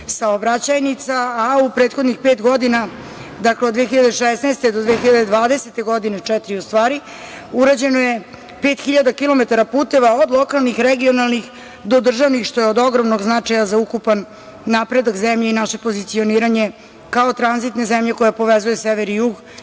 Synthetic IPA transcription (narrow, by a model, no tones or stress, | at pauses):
saobɾat͡ɕajnit̪saːupɾe̞ːt̪xo̞d̪nixpe̞ːt̪ɡo̞d̪ina | d̪akled̪ʋeexiʎad̪eʃesnajst̪ed̪o̞d̪ʋeːxiʎad̪ed̪ʋaːd̪e̞set̪eɡo̞d̪inet͡ʂɛt̪ɾiust̪ʋaːɾi | uɾad͡ʑe̞noje | pe̞ːt̪xiʎad̪akilo̞me̞t̪aɾapuːt̪e̞ʋaod̪lˠo̞kalˠnixɾeɡio̞nalˠnix | d̪o̞d̪r̩ʒaʋnixʃt̪o̞jeod̪o̞ɡɾomnoɡznat͡ʂajazaukupanː | apɾe̞d̪akzemʎe̞inaʃe̞pozit̪sio̞niːɾaɲe̞ | kaot̪ɾanzit̪ne̞zemʎe̞ko̞japo̞ʋezujeseʋeɾijuɡ